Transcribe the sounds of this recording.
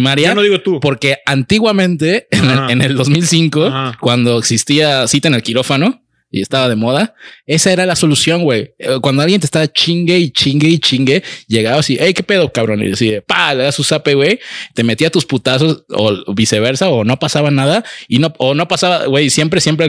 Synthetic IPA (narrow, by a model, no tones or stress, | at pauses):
maɾianoðiɣot̪upo̞ɾke̞ant̪iɣwamẽ̞nt̪e̞eneld̪o̞zmilsiŋko̞akwand̪o̞eksist̪iasit̪ene̞lkiɾo̞fano̞ | ie̞st̪aβað̞e̞moðae̞sae̞ɾalaso̞lusjo̞ŋɡwejkwand̪oaljent̪est̪aβat͡ʃiŋɡeit͡ʃiŋɡeit͡ʃiŋɡe̞ʝe̞ɣaβasiʔejke̞pe̞ð̞okaβɾo̞nḭðesiepaleɣasusape̞ɣwejt̪e̞me̞t̪iat̪usput̪aso̞so̰βise̞β̞e̞ɾsaono̞pasaβanaðaino̞ono̞pasaβaɣwe̞jsje̞mp̬ɾesjemp̬ɾe